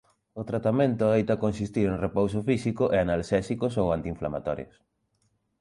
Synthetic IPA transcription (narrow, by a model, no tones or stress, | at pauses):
ʊt̪ɾat̪amẽnt̪ʊðejt̪akonsist̪iɾeŋrepowsofisikʊʔeanalsɛsikosowant̪iɱfla̰ma̰t̪ɔɾjo̰s